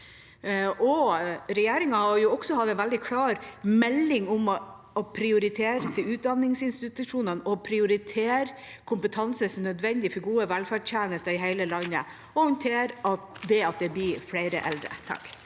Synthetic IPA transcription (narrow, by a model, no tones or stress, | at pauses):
ʔɔɾɛjeːɾɪŋɑhɑɾjʊɔɡ̥sɔhɑd̪ɛnʋæld̪ɪkʰlɑːɾmɛlːɪŋʊm | ɔpʰɾɪʊɾɪt̪ʰeːɾət̪ʰɪʉːt̪̚d̪ɑnːɪŋsɪnst̪ɪt̪ʉʂuːnənɔpʰɾɪʊɾɪt̪ʰeːɾ | kʰʊmpət̪ʰɑnsəsnœd̪ʋɛnd̪ɪfɔɾɡuːəʋælfæɖtjæːnəst̪ɑɪɦæɪləlɑnːə̰ | ɔhɔnt̪ʰeːɾɑt̪d̪ɛɑt̪̚d̪ɛb̪ifleɪɾə̰ʔɛ̰ld̪ɾə̰ʔɛt̪ʰːɑ̰ːk